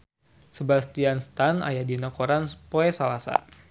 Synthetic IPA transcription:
səbast̪ianst̪ana̰jadinakoɾanspoɛsalasa̰

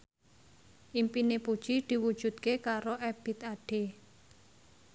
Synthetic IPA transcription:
ʔimpinepud̥ʒ̥id̪̥i̤wud̥ʒ̥ṳt̪kekaɾoʔɛb̥i̤t̪aɖ̥e

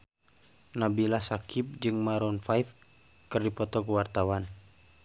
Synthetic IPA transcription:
nabilasakʰip̚d͡ʒɨŋmaɾɔnfajf | kɨrdipɔt̪ɔkəwart̪awan

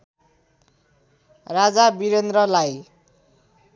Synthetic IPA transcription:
rad͡zabiɾend̪rʌlaj

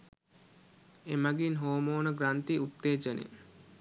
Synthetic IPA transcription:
emaɡinɦoːmoːnəɡɾant̪iut̪ːeːd͡ʒənḛ

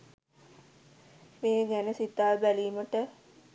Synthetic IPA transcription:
meːɡænəsit̪ːaːʋbæliːməʈə

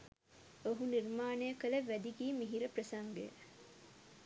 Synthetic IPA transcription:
oɦuniɾmaːnejɐkɐlɐʋːæd̪iɡiːmiɦiɾɐpɾɐsɐŋɡḛ

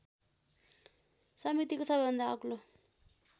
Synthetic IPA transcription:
samit̪ikɔsaβɛnd̪akulɔ

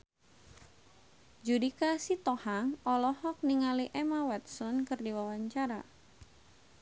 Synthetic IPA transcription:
d͡ʒudikasit̪ɔhaŋɔlɔhɔk̚niŋaliʔɛmawɛt̪̚sɔnkɨrdiwawaɲt͡ʃaɾa

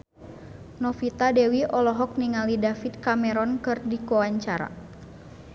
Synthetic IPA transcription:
nɔfit̪adɛwiʔɔlɔɦɔk̚niŋalidafit̪̚kamɛɾɔnkɨrdikɔaɲt͡ʃaɾa̰

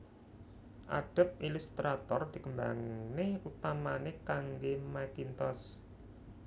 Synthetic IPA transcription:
ʔa̰ɖ̥ə̤p̚ilust̪ɾat̪ɔrd̪̥i̤kəmba̰ŋneut̪amanekaŋɡemakint̪ɔs

